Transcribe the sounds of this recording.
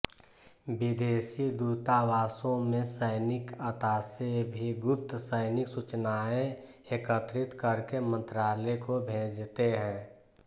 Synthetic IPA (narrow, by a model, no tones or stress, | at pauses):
bɪd̪eːsid̪uːt̪aʋaːsõmẽsəɪnɪkət̪aːsebʱiɡʊp̚t̪səɪnɪksut͡ʃnaːẽ | ekət̪ɾɪt̪kəɾkemə̃nt̪ɾaːlekobʱẽːd͡ʒt̪eɦɛ̃ː